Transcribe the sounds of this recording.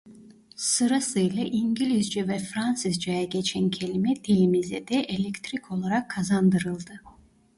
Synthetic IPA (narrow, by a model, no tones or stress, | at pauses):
sɯɾasɯjlʲˠaʔiɲɟilʲizd͡ʒɛvɛfɾansizd͡ʒajaɟʲet͡ʃʰæncʰe̞lʲimɛd̪̥ilʲimizɛd̪ɛʔelʲekt̪ɾikʰo̞lˠaɾakʰːazand̪ɯɾɯlˠd̪ɯ